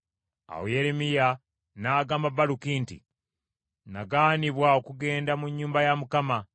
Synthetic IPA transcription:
a̰wojeɾemija | naːɡaːmabalukiːntḭ | naɡaːniβwao̞kuɡe̞ːndamuɲːuːmbajamukama

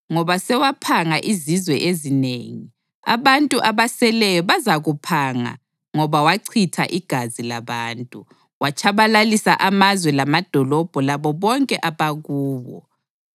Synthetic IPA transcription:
ŋɔβasɛwapʰaŋaʔizizwɛʔezinḛːŋi | a̰βantʼuʔaβasɛlɛjɔβazaɣupʰaŋa̰ | ŋɔβawaǀʰitʰa̰ʔiɡ̥ʱazilaβaːntʼu | wat͡ʃʰaβalalisaʔamazwɛlamad̥ʱɔlɔb̥ʱɔlaβɔβɔŋkʼɛʔaβaɣuːβɔ̰

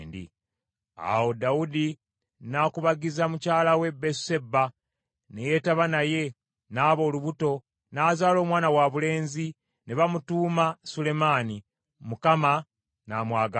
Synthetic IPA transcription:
ndḭ | a̰wo̞dawudi | nakuβaɡizamucaːlawe̞bese̞ba | ne̞je̞taβanaje̞ | naːβo̞ːluβuto̞ | naːzaːlo̞ːmwaːnawaβule̞ːnzi | neβamutuːmasule̞maːni | mukama | namwaːɡa

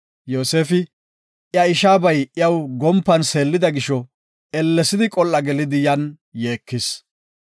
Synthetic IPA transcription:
jo̞ːse̞ːfɪ | jɐɪʃaːbɐjʔɪjɐwɡɔmpːɐnseːlːɪd̪ɐɡɪʃɔ | ɛlːɛsɪd̪ɪkʼɔlːɐɡɛlɪd̪ɪjɐn | je̞ːkːɪs

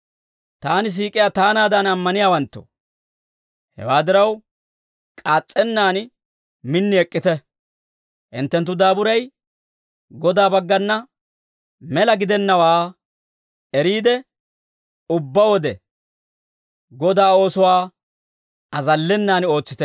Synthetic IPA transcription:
t̪aːnɪs̬iːkʼɪjat̪aːnaːd̪ɐnɐmːɐnɪjaːwɐnt̪ːɔ̰ | hɛ̰waːd̪ɪɾɐw | kʼaːt͡sʼːɛnːaːn | mɪnːɪɛkʼːɪt̪ɛ | ʔɪnt̪ːɛnt̪ːʊd̪aːbʊɾɐj | ɡɔd̪aːbɐɡːɐnːɐ | mɛlɐɡɪd̪ɛnːɐwaː | ɛɾiːd̪ɛ | ʊbːɐwɔd̪ɛ | ɡɔd̪aːo̞ːsʊwaː | ɐzɐlːɛnːaːno̞ːt͡sːɪt̪ɛ

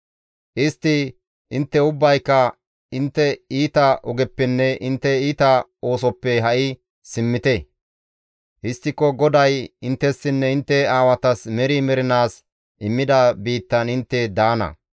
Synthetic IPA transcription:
ʔɪst̪ːɪ | ʔɪnt̪ːɛʊbːɐjkːɐ | ɪnt̪ːɛiːt̪ɐʔɔɡɛpːɛnːɛʔɪnt̪ːɛiːt̪ɐo̞ːsɔpːɛɦɐʔɪ | sɪmːɪt̪ɛ | ʔɪst̪ːɪkːɔɡɔd̪ɐjɪnt̪ːɛsːɪnːɛɪnt̪ːɛaːwɐt̪ɐsmɛɾɪmɛɾɪnaːs | ʔɪmːɪd̪ɐbiːt̪ːɐnɪnt̪ːɛd̪aːnɐ̰

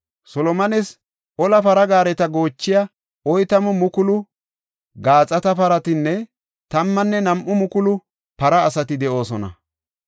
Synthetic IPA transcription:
sɔlɔmɐnɛs | ʔɔlɐpɐɾɐɡaːɾɛt̪ɐɡo̞ːt͡ʃːɪjɐ | ʔɔjt̪ɐmʊmʊkʊlʊ | ɡaːt͡sʼːɐt̪ɐpɐɾɐt̪ɪnːɛ | t̪ɐmːɐnːɛnɐmʔʊmʊkʊlʊ | pɐɾɐːsɐt̪ɪd̪ɛʔo̞ːsɔnɐ̰

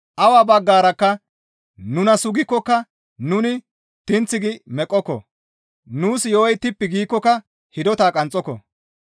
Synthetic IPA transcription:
ʔɐwaːbɐɡːaːɾɐkːɐ | nʊnɐsʊɡɪkːɔkːɐ | nʊnɪ | t̪ɪnt͡sːɪɡɪmɛkʼːɔkːɔ̰ | nuːsjoːɔjt̪ɪpːɪɡiːkːɔkːɐ | hɪd̪ɔt̪aːkʼɐnt͡sʼɔkːɔ̰

